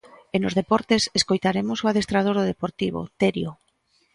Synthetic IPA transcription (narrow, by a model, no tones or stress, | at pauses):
enozðepɔɾt̪eseskojt̪aɾemosoað̞est̪ɾað̞oɾðoðepoɾt̪iβo̰t̪eɾjo